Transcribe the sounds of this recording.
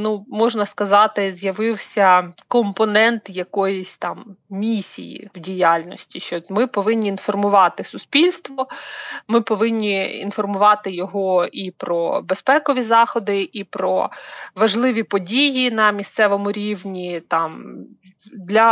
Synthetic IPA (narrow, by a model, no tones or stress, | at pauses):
numɔʒnɐskɐzɑt̪ɪzʲjɐʋɪwsʲɐkɔmpɔnɛnt̪jɐkɔjɔsʲt̪ɑmmʲisʲḭjḭwdʲijalʲnɔsʲtʲiʃt͡ʃɔmɪpɔʋɪnʲːiːnfɔrmʊʋɑt̪ɪsʊspʲilʲst̪ʋɔmɪpɔʋɪnʲːiḭnfɔrmʊʋɑt̪ɪjɔɦɔipɾɔbespɛkɔʋʲizɑxɔd̪ɪʔipɾɔ̰ʋɐʒlˠɪʋʲipɔdʲijinɐmʲist̪sɛʋɔmʊɾʲiwnʲit̪ɑm | d̪lʲɐ